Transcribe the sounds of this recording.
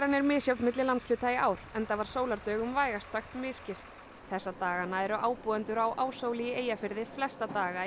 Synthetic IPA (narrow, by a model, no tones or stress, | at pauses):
ɾanːɛɾmɪːðsjawt̪mɪt̪lɪlant̪slʏːt̪ajɪʔaːwɾ̥ɛnt̪avaɾ̥soːwlaɾt̪œːɣʏmvaːjɣast̪saxt̪mɪːðscɪft̪ | θɛsːat̪aːɣanaɛɾʏʔaːwpuɛnt̪ʏɾawʔaːwsoːwlijɪeːjafɪɾðɪflɛst̪at̪aːɣa